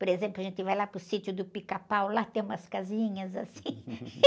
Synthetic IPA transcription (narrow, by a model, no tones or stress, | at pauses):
poɾezẽplʊaʒẽnt̪ɪvajlapɾʊsit̪jʊd̪ʊpikapawlat̪ẽj̃ũmɐskazĩɲɐzasĩ